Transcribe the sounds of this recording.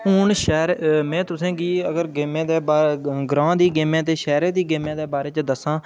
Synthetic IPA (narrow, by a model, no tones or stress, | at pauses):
ʊːnʃɛːɾmɛ̃ːt̪ʊsẽːɡiːəɡəɾɡeːmẽːd̪eːbaːɡɾãːd̪iːɡeːmẽːt̪eːʃɛːɾeːd̪iːɡeːmẽːd̪eːbaːɾeːt͡ʃd̪əsãː